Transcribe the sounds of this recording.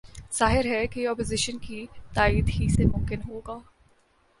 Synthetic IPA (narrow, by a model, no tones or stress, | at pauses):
z̥aːɦɪɾɦɛkeɔːpozɪʃənkit̪aːiːd̪ɦisemʊ̃mkɪnɦoːɡaː